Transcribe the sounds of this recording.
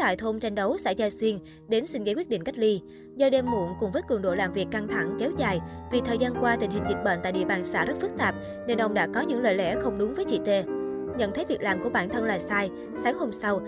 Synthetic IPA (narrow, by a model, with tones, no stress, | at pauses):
t̪a̰ː˧˨jt̪ʰo˧mt͡ɕa˧jŋ̟ɗə˨˦wsa̰˧˥˩zaː˧swi˧ən | ɗe˨˦nsi˧ŋ̟ɣkwi˦˥t̚ɗḭ˧˨ŋ̟ka˦˥k̟̚li˧ | zɔː˧˩ɗɛ˧mːṵ˧˩ənkʊ˨˩ŋ͡mvəː˨˦jkɨ˨˩əŋɗo̰˧˨jlaː˨˩mvi˨˩əkːa˧ŋt̪ʰa˧˩ŋkɛ˨˦wzaː˨˩jvi˨˩t̪ʰəː˨˩jzaː˧nkwaː˧t̪ï˨˩ŋ̟hï˨˩ŋ̟zi˨˩t̚ɓə̰ː˧˨nt̪a̰ː˧˨jɗḭ˧˨ɓaː˨˩nsa̰ː˧˩zə˦˥t̚fɨ˦˥k̚t̪aː˨˩p̚ | ne˧nʔə˧wŋ͡mɗa̰ː˧˥kɔ˨˦ɲɨ̰˧˥ŋlə̰ː˧˨jlɛ̰˧˩xə˧wŋ͡mɗʊ˨˦ŋ͡mvəː˨˦jt͡ɕḭ˧˨t̪e˧ɲə̰˧˨nt̪ʰə˨˦jvi˨˩ək̚laː˨˩mku˧˩əɓaː˧˩nt̪ʰə˧nlaː˨˩saː˧j | saː˨˦ŋho˧msa˧w